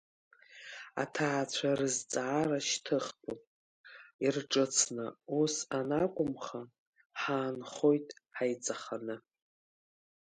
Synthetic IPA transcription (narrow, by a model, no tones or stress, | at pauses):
a̰tʰaʕat͡ɕʷʰarɨzt͡sʼaaːɾaʃtʰɨχpʰʼu | irʈ͡ʂʼɨt͡sʰnɨusanakʷʼʊmχa | ħaːnχo̞jtʼħajt͡sʼaχanɨ